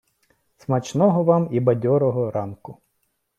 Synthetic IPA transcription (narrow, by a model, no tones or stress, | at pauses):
smɐt͡ʃnɔɦɔʋɑmibɐdʲɔɾɔɦɔɾɑnkʊ